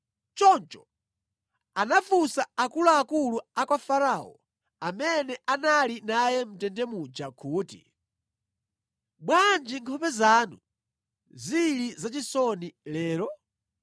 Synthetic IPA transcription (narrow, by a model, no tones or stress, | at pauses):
t͡ʃɔnt͡ʃɔ̥ | anafusaakulaːkuluakwafaɾaɔ̰ | amɛnɛʔanalinajɛm̩tɛndɛmud͡ʒakʰuːtḭ | ɓwand͡ʒiŋkʰɔpɛzaːnṵ | zilizat͡ʃisɔnilɛːɾɔ